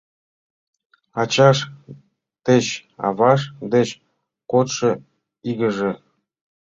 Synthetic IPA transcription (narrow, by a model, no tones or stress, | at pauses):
ɑt͡ɕɑʃ | t̪et͡ɕɑ̰βɑʃd̪et͡ɕ | kot̪ʃɤ | iɣə̆ʒĕ